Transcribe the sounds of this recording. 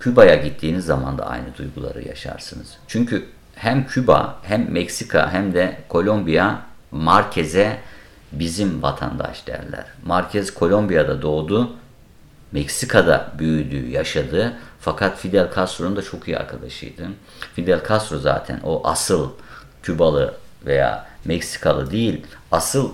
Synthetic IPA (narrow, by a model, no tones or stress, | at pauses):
cʰybajaɟit̪ʰːiːnizːama̰nd̪a̰ʔa̰jnɯd̪ujɡulˠa̰ɾɯ̰ja̰ʃa̰ɾsɯnɯz̥t͡ʃʰyɲcʰy | hæmcʰyba̰hæmːɛcsikʰa̰ɦæmd̪ɛkʰo̞lʲˠo̞mbijamaɾcʰezɛ | bizimvat̪ʰa̰nd̪a̰ʃd̪̥æ̰ɾlʲæ̰ɾ̥maɾcʰɛzkʰo̞lʲˠo̞mbijad̪ad̪o̞ːd̪u | mɛcsikʰad̪a̰byjyd̪y̰ːjaʃad̪ɯfakʰat̪fid̪ɛlʲkʰast̪ɾond̪at͡ʃʰo̞kija̰ɾkʰad̪aʃɯ̰jd̪ɯ | fid̪ælʲkʰast̪ɾoza̰ːt̪ʰæ̰nʔo̞ʔasɯlˠ | cʰybalˠɯveja̰ːmɛcsi̥kʰalˠɯd̪ejilʲasɯlˠ